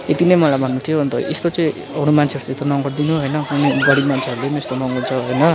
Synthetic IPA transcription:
et̪inʌjmʌlajbʱʌnːut̪ʰijoʌnt̪ʌʔḛst̪ot͡sʌĩ | ʌɽ̃umant͡sʰeʌɾut͡set̪ʌnʌŋɡʌrd̪inuɦʌjnʌkunejɡʌɽimant͡sʰeʌɾulenest̪onʌŋɡʌnt͡sʰʌɦojnʌ

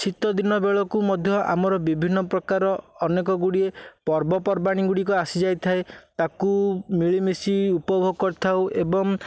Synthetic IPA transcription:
t͡ʃʰit̪ɔd̪inɔbeɭɔkumɔd̪ʱjɔʔa̰mɔɾɔbibʱinːɔpɾɔkaɾɔɔnekɔɡuɽiepɔɾbɔpɔɾbaɽ̃iɡuɽikɔasid͡ʒajt̪ʰaet̪akumiɭimisiupɔbʱoɡɔkɔɾt̪ʰawʔebɔŋ

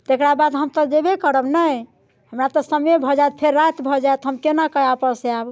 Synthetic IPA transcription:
t̪ekɾabad̪ɦəmt̪ɔd͡ʒebekəɾəbnəj | həmɾat̪ɔsəmebʱɔd͡ʒajt̪pʰeɾːat̪bʱɔd͡ʒajt̪ɦəmkenakəapəɾseab

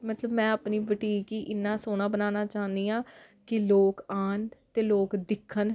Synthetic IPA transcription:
mət̪ləbmɛ̃ːaːpniːbəʈiːkiːʔɪnːãːsoːñãːbənaːnaːt͡ʃaːnd̪iːãː | kɪloːkaːnt̪eːloːkd̪ɪkʰːən

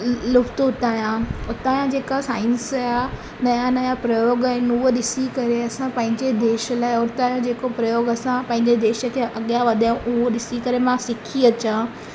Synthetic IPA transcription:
lʊft̪oʊt̪aːjãʊt̪aːjãd͡ʑeːkasaːɪnsaːja | nɐjanɐjapɾɐjoːɡaːɦɪnʊɦoɗɪsikɐɾeɐsãpɐ̃ɦɪ̃ɲd͡ʑed̪eːʃəlaːɪɔːɾt̪aːjõd͡ʑeːkopɾɐjoːɡɐsãpɐ̃ɦɪ̃ɲd͡ʑed̪eːʃə̆kʰeːʔɐɠijaʋɐd̪ʱaːjũʔʊɦoɗɪsikɐɾemãsɪkʰiɐt͡ɕã

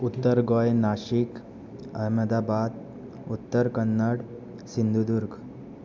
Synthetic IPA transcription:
ut̪ːəɾɡojnaʃik | ə̰ɦməd̪abad̪ | ut̪ːəɾkənːəɽ | sind̪ʱud̪uɾɡ

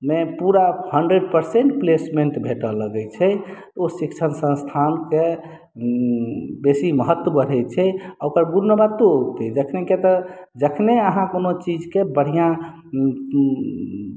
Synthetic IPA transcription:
mepuɾahəɳɖɾeɖpəɾseɳʈplesmeɳʈbʱeʈələɡɛjt͡ʃʰɛt̪osikt͡ʃʰənsə̃st̪ʰanke | besiməɦət̪wəbəɾ̤ɛjt͡ʃʰɛokəɾɡuɾːəbat̪out̪ɛd͡ʒəkʰneket̪ɔd͡ʒəkʰneəɦãkonot͡ʃid͡ʒkebəɽ̤ijã

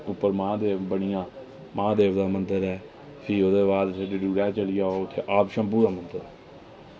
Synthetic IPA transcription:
ʊpːəɾmãːd̪eːbəɳɪjãː | mãːd̪eːʋd̪aːmənd̪əɾɛː | pʰɪːod̪eːbaːd̪seɖiːɖuːɾɛːt͡ʃəlɪjaːoʊt̪ʰːeːʔaːpʃəmpuːɾaːmənd̪əɾɛː

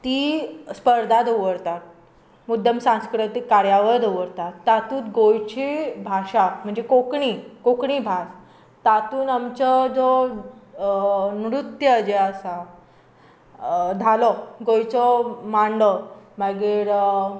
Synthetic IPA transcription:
t̪iːspəɾd̪ʱad̪oʋəɾt̪at̪̚ | mud̪jəmsãskɾut̪ikːaɾjaʋəɾd̪oʋəɾt̪at̪ːat̪uːt̪ɡojt͡ɕibʱaɕam̤əɳd͡zekokɳikokɳibʱas | t̪at̪uːnamt͡ɕɔd͡zɔ | nɾut̪jəəd͡ʑeəsa | d̪ʱalɔɡojt͡sɔmaɳɖɔmaɡeɾ

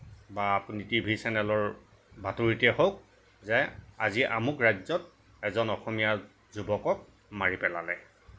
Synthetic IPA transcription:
baːpunitibʱisɛnɛlɔɹ | batuɹitɛhowk̚ | zɛa̰ziʔa̰mukɹajzɔt̚ | ɛzɔnɔxɔmija | zubɔkɔk̚ | maɹipɛla̰lɛ

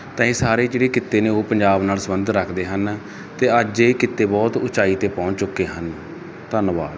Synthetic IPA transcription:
t̪ãːĩːsaːɾeːd͡ʒeːɽeːkɪt̪ːeːnẽːoːpəɲd͡ʒaːbnaːlsəbənd̪ɾəkʰd̪eːɦən | t̪eːəd͡ʒeːkɪt̪ːeːbɔːt̪ʊt͡ʃaːiːt̪eːpɔ̃ːɲt͡ʃt͡ʃʊkːeːɦən | t̪ənʋa̰ːd̪

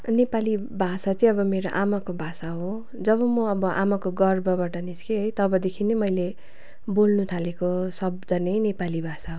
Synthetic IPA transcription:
nepalibʱasat͡sʌĩʌbʌmeɾoʔamakobʱasaɦo | d͡zʌβʌmʌʌbʌʔa̰makoɡʌrbʌbaʈʌniskeɦʌjt̪ʌbʌd̪ekʰinemʌjle | bolnut̪ʰalekosʌb̚d̪ʱʌnʌjnepalibʱasaɦo

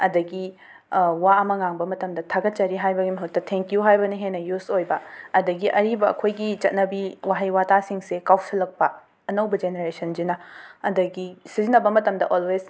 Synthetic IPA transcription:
ɐdɐɡi | waɐmɐŋaŋbɐmɐtɐmdɐtʰaɡɐt̚t͡ʃɐɾiɦajbɐɡimɐɦɐk̚tɐtʰeŋkijuɦajbɐniɦenɐjusojbɐːdɐɡiʔɐɾibɐɐ̰kʰojɡit͡ʃɐt̚nɐbiwaɦɐjwatasiŋsekawsʰilɐk̚pɐ | ɐnɐwbɐd͡ʒeneɾesɐnd͡ʒinɐɐdɐɡisizinːɐbɐmɐtɐmdɐʔolwez

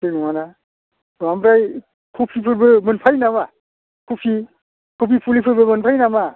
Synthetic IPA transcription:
sinuŋana | bamɾaj | kʰupʰipʰɯɾbɯmɯnpʰajnama | kʰupʰi | kʰupʰipʰulipʰɯɾbɯmɯnpʰajnama

